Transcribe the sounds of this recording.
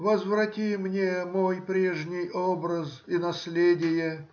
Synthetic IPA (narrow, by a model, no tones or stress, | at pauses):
vəzvrɐtʲimnʲemojpɾʲeʐnʲɪjobɾəsinɐsʲlʲedʲɪjə